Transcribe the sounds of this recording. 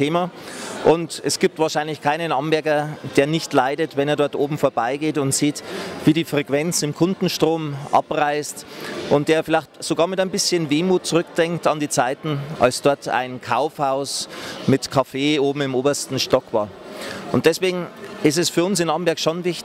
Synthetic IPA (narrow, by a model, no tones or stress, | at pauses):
eːmaʔʊntɛsɡ̥iːp̚tv̥aːʃaɪnlɪçkʰaɪnənʔambɛɐɡɐd̥eːɐnɪçtlaɪdətvɛneːɐdɔɐtʔoːbm̩foːɐbaɪɡeːtʊntz̥iːtv̥iːɾiːfʁ̥ekv̥ɛnt͡sɪmkʰʊndn̩ʃtʁ̥oːmʔa̰pʁaɪstʔʊnt̚d̥eːɐfɪlaɪçtz̥oɡaːɐmɪtaɪnbɪsçənveːmuːt̚t͡sʊʁʏkd̥ɛŋktandiːt͡saɪtn̩ʔa̰lsd̥ɔɐtʰa̰ɪnkʰa̰ʊfhaʊsmɪtkʰafeːoːbm̩ɪmʔoːbɐstn̩ʃtɔkv̥a̰ːɐʔʊnt̚d̥ɛsv̥eːɡŋ̩ʔɪstɛsfyːɐʊnsɪnʔambɛɐkʃonvɪçt